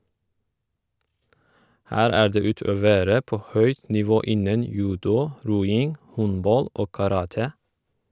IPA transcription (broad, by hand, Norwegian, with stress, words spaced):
ˈhæːɾ ˈæː ˈɖeː ˈʉːˌtøːˌʋeːɾə ˈpoː ˈhœʏt nɪˈʋoː ˈɪnən ˈjʉːdʊ ˈɾuːˌɪŋ ˈhɔnˌbɑl ˈoː kɑˈɾɑːtə